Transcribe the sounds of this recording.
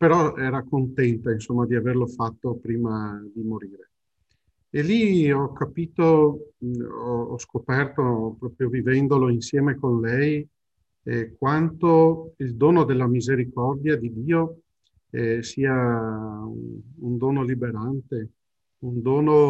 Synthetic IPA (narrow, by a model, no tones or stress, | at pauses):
peɾɔɛːɾakont̪ɛnt̪ainsomːad̪iaverlofat̪ːopɾiːmad̪imoɾiːɾe | eliɔkːapiːt̪o | ɔɔ̰skopɛrt̪opɾɔːpɾjovivɛnd̪oloinsjɛːmekonlɛj | kwant̪oild̪oːnod̪elːamizeɾikɔrd̪jad̪id̪iːo | ɛsiːa | ṵund̪oːnolibeɾant̪e | und̪oːno